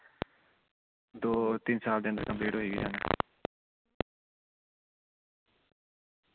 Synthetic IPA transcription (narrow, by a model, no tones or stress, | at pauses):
d̪oːt̪iːnsaːld̪eːə̃nd̪əɾkãmbeːɽoːɦiːɡid͡ʒaːna̰